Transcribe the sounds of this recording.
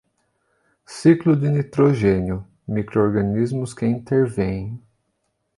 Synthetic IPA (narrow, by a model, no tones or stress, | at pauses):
siklʊd̪ɪnit̪ɾoʒẽnjʊ | mikɾooɾɡɐnizmʊskɪĩnt̪eɾvẽj̃